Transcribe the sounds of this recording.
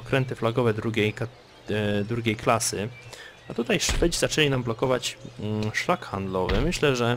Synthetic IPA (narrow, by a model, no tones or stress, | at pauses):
ɔkɾɛnt̪ɘflaɡɔvɛd̪ɾuɡʲej | d̪ɾuɡʲejklasɘ | at̪ut̪ajʂpɘd͡ʑzat͡ʂɛlʲinamblɔkɔvat͡ɕʂlakxand̪lɔvɘmɘɕlɛʐɛ